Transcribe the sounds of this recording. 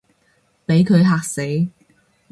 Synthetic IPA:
pe˨˥jkʰɵ˨˧ɥɦaː˧k̚se˨˥j

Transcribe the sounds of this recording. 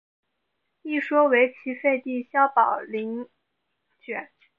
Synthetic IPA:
i˥˩ʂwɔ˥we˧˥ɪt͡ɕʰi˧˥fe˥˧ɪt̪i˥˩ɕjɑ˥ʊpɑ˨˩ʊli˧˥ŋ | t͡ɕɥɛ̰˨˩˦n

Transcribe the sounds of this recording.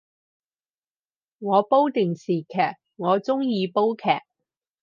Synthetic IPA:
ŋɔː˨˧po˥wt̪ɪ˨˩ŋsiː˨kʰɛː˨˩k̚ | ŋɔː˨˧t͡sʊ˥ŋjiː˨˧po˥wkʰɛ̰ː˨˩k̚

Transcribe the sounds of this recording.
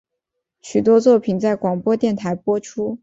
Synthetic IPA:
ɕy˨˩t̪̬wɔ˥t͡swɔ˥˩pʰi˨˩nt͡sa˥˩ɪkwɑ˨˩ŋpwɔ˥t̪jɛ˥˩nt̪ʰa˧˥ɪpwɔ˥ʈ͡ʂʰu˥

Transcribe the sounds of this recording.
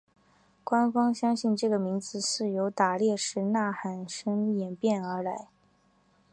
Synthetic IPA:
kwa˥nfɑ˥ŋɕjɑ˥ŋɕi˥˩˧nʈ͡ʂɤ˥˩ɡə˩mi˧˥ŋd͡zɹ̩˧sɻ̩˥˩jo˧˥ʊt̪a˨˩ljɛ˥˧ʂɻ̩˧˥na˥˩xa˨˩nʂɤ˥ŋi˥˩jɛ˨˩npjɛ˥˩nə˞˧˥la˧˥ɪ

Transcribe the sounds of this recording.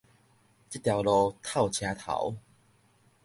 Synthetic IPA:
t͡ɕi˦˥t̪ːja˨˩wlɔ˧t̪ʰa˥˨˩wt͡ɕʰja˧t̪ʰa̰˨˦w

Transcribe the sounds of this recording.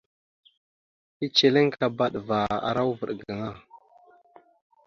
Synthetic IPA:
i˦t͡ʃe˨le˦ŋka˨ba˦ɗva˨a̰˨ɾa˦wvə˨ɗɡa˨ŋa˦˨

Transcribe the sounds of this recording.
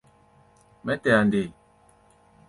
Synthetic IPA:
mɛ˦tɛ˨a˨nde˨

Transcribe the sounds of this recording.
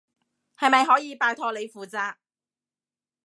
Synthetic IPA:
hɐ˨jmɐ˨jɦɔː˨˥jiː˨˧paː˨˧jt̪ʰɔː˧le˨˧jfuː˨˩t͡saː˧k̚

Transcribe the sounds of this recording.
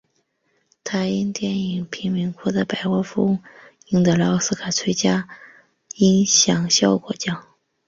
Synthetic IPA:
t̪ʰa˧˥ɪi˥nt̪jɛ˥˩ni˨˩ŋpʰi˧˥ŋmi˧˥ŋkʰɔ˥˩d̪ə˧˩pa˨˩ɪwɔ˥fu˧˥ŋ | i˥ŋd̪ə˧˩lɑ˧˥ʊsɹ̩˥kʰa˨˩t͡sʰwe˥ɪt͡ɕja˥ | i˥ŋɕjɑ˨˩ŋɕjɑ˥˩ʊkwɔ̰˧˩t͡ɕjɑ˥˩ŋ

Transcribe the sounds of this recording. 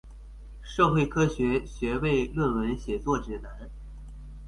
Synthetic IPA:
ʂɤ˥˧ʊxwe˥˩ɪkʰɤ˥ɕɥɛ˧˥ɕɥɛ˧˥we˥˧ɪlwə˥˩nwə˧˥nɕjɛ˨˩t͡swɔ˥˩ʈ͡ʂɻ̩˨˩na˧˥n

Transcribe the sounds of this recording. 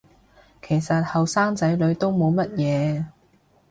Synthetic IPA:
kʰe˨˩jsɐ˨t̚hɐ˨wsaː˥ŋt͡sɐ˨˥jlɵ˨˧˥ɥt̪o˥wmo˨˧wmɐ˥t̚jɛː˨˧

